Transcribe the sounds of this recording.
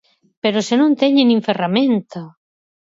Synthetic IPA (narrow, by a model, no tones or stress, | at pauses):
peɾʊsenõnt̪ɛɲenĩɱferamẽnt̪a